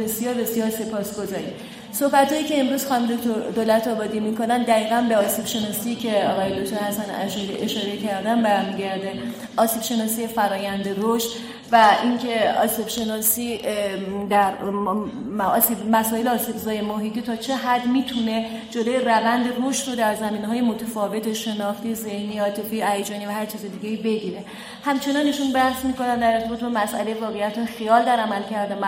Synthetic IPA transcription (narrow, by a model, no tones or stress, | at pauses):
e̞sijɒːɾbe̞sjɒːɾse̞pʰɒːsɡ̥o̞zɒːɾim | sohbæt̪hɒːjiːce̞ːmɾuz̥xɒːnmd̪okt̪ʰoɾd̪olæt̪ʰɒːbɒːd̪iːmiko̞nænd̪æɣiːɣænbeɒːsib̥ʃe̞nɒːsicʰe̞ɒːɣɒːjed̪ok̚t̪ʰoɾhæsænæ̰ʃuliʔeʃɒːɾe̞cʰæɾd̪ænbæɾmiɟæɾd̪e | ʔɒːsiːb̥ʃe̞nɒːsiːjefæɾɒːjænd̪e̞roʃt̪ | væʔiŋcʰe̞ɒːsibʃe̞nɒːsiː | d̪æɾ | sibmæsɒːjeleɒːsibzɒːjemoɦiːt̪ʰiːt̪ʰɒːt͡ʃʰe̞ɦæd̪miːt̪ʰune̞ | d͡ʒoloːjerævænd̪eroʃt̪ɾod̪æɾzæmiːneɦɒːjemot̪ʰefɒːve̞t̪ʰeʃe̞nɒːxt̪iːze̞hniːɒːt̪ʰe̞fiæjed͡ʒɒːnivæhæɾt͡ʃʰiːzed̪iːɟeibe̞ɟiːɾe̞ | hæmt͡ʃʰe̞nɒniːʃunbæhsmiːko̞nænd̪æɾeɾt̪e̞bɒːt̪̚ʰbɒmæsʔæ̰le̞jevɒːɣejæt̪ʰhɒjexijɒːld̪æɾæmælcʰæɾd̪em